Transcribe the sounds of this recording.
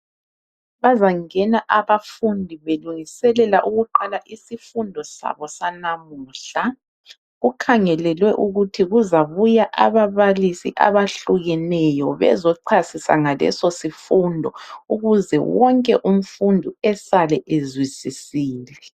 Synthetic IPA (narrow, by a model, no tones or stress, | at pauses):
βazaŋɛnaʔaβafundʱiβeluŋisɛlɛlaʔuɣuǃalaʔisifundʱɔsa̰βɔsanamuːɬa | ɣukʰaŋɛlɛlwɛʔuɣutʰiɣuzaβujaʔaβaβalisḭʔa̰βaɬuɣɛnɛjɔβɛ̰zɔǀʰasisa̰ŋalɛ̰sosifundʱɔ̰uɣuzɛ̰wɔŋkʼɛʔum̩fundʱuɛsalɛʔezwisisiːlɛ